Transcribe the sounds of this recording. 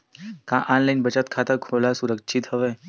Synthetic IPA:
kãʔanlainbət͡ɕat̪̚kʰat̪akʰoːlasuɾəkʃʰit̪ɦəʋe

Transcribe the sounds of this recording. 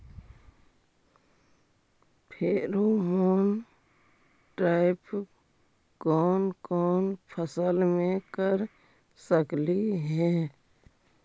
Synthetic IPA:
pʰeːɾomoːn | ʈɾaːɪp | kɔːnkɔːnpʰəsəlmẽkəɾ | səkliɦɛ̃ː

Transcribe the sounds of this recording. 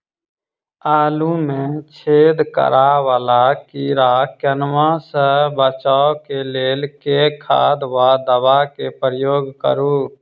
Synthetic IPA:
aːlumẽt͡ʃʰeːd̪kə̰ɾaʋaːlakiːɾakənʋãsəbət͡ʃaːokeleːlkekʰa̰ːd̪ʋad̪əbakepɾəjoːɡkə̰ɾuː

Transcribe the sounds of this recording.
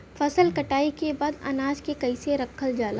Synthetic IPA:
fɐsəlkɐʈaːikebaːd̪ɐ̰naːd͡ʒkekɐiseɾɐkʰːəld͡ʒaːlaː

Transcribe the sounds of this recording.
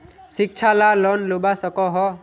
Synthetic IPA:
sik̚t͡ʃʰalalɔnlubasɔkɔɦɔ

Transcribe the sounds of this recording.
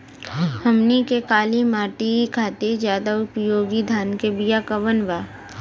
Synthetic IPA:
hɐmnikekaːlimaːʈikʰaːt̪id͡ʒjaːd̪aʊpjoːɡid̪ʱaːnkebijakɐʋənʋaː

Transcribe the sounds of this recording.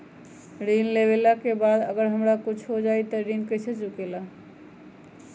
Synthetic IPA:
ɾinleβelakebad̪əɡəɾɦəmɾakut͡ʃʰɦod͡ʒajt̪əɾinkəsət͡ʃukela

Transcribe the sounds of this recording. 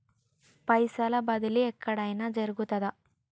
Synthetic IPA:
pɐjsɐlɐbɐd̪iliɛkʰːɐɽɐjnaːd͡ʒɐɾuɡut̪ɐd̪ɐ

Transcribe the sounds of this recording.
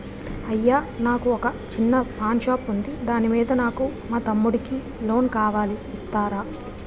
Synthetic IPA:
ɐjːaːnaːkuɔkɐt͡ʃinːɐpʰaːnʃaːpund̪id̪aːnimiːd̪ɐnaːkumaːt̪ɐmːuɽiki | lo̞ːnkaːʋaːliːst̪aːɾaː

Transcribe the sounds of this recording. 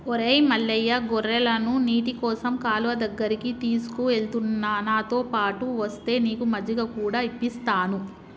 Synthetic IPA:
oɾejmɐɭːɐjːɐɡɔɾːɐlɐnuniːʈikɔːsɐmkaːluʋɐd̪ɐɡːɐɾikit̪iːsu̥kuʋeɭt̪unːaːnaːt̪oːpaːʈuʋɐst̪e̞ːniːkumɐd͡ʒɐɡɐkuːɽaːipːist̪aːnu

